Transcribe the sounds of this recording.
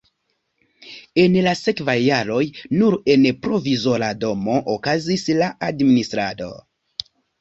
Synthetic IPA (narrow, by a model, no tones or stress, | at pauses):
e̞nlase̞kvajːaɾo̞jnuɾe̞npɾo̞vizo̞ɾado̞moʔokazislaʔadministɾa̰do̞̰